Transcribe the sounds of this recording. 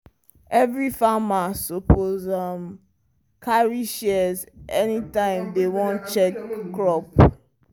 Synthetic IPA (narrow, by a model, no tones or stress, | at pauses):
ɛvɹifamasopʰozam | kʰaɹiʃɛzʔɛnitãɪ̃mdewɔ̃nt͡ʃɛkkːɹɔp̚